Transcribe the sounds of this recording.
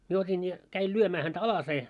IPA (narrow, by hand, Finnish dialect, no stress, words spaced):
mie otʲin jɑ kæil lyømæː hæntæ ɑlɑseː